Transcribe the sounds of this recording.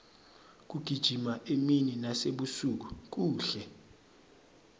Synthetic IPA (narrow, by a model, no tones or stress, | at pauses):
k̬uɡ̥ʱid̥ʒ̥ʱimaʔemininaseɓusuk̬uk̬uːɬɛ